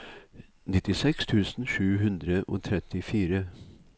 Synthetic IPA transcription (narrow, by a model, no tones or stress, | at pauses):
nɪt̪ɪsɛkst̪ʰʉːsn̩ʃʉːɦʉnd̪ɾəʔo̰ːt̪ʰɾɛt̪ɪfiːɾə